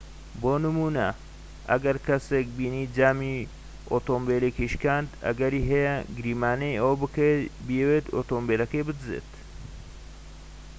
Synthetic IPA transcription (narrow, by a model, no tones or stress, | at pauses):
boːnɨmuːnɐ | ʔɐ̰ɡɐɾkɐsek̚biːniːd͡ʒaːmi | ʔot̪oːmbeːlekiʃkaːnd̪ɐ̰ɡɐɾiːɦɐjɐɡɨɾiːmaːnejɐwɐbɨkebijwet̪oːt̪oːmbelɐkejbɨd̪ɨzḛːt̪